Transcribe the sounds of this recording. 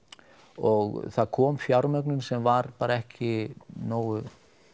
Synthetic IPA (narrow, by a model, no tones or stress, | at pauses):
ɔɣθaðkʰɔːmfjawɾmœknʏmsɛmvaɾpaːɾaɛhcʰɪnoːwʏ